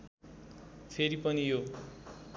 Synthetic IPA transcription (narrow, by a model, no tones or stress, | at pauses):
pʰeɾipʌnijo